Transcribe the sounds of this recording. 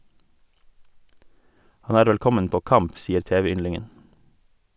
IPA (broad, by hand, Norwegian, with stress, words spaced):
ˈhɑn ˈæːɾ ˈʋɛlˌkɔmən ˈpoː ˈkɑmp ˈsiːəɾ ˈteːʋɛˌʏnlɪŋən